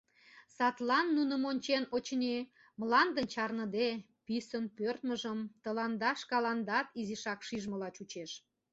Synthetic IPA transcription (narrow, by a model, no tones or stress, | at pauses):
sɑt̪lɑnːunə̆monʲt͡ɕenot͡ɕnʲe | mlɑnd̪ənt͡ɕɑrnə̆d̪e | pisənpørt̪məʒəmt̪əlɑnd̪ɑʃkɑlɑnd̪ɑt̪iziʃɑkʃiʒməlɑt͡ɕut͡ɕeʃ